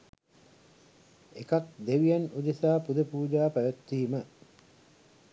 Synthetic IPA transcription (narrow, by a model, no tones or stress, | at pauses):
ekak̚d̪eʋijanud̪esaːpud̪əpuːd͡ʒaːpæʋet̪ːiːmə